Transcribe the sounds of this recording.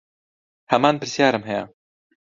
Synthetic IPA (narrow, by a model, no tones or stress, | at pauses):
hɐmaːnpɨɾsjaːɾɨmɦɛjɛ̰